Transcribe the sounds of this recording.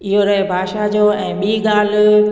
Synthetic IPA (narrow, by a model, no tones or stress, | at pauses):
ɪɦoɾɐɦebʱaːʃad͡ʑoːɛ̃ːɓiːɠaːl̤